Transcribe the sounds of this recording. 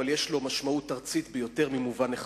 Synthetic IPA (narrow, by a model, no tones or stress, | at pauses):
aljeʃlo̞maʃmaut̪ːaʁt͡sit̪bejo̞te̞ʁmimuvaneχ